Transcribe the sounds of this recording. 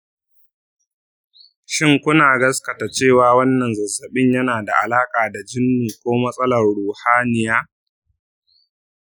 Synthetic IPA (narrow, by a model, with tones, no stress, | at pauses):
ʃɪ˦ŋkʷʊ˦naː˨ɡɐ˦skɐ˨ta˨t͡ʃeː˦˨waː˨wɐ˦nːɐ˨nzɐ˨zːɐ˨ɓɪ˦ɲjɐ˦naː˨da˨ʔa˨laː˦kʼaː˨da˨d͡ʒɪ˦nːuː˨kʷoː˦mɐ˦sʼɐ˦lɐ˨rɽuː˨haː˦nɪ˨jaː˦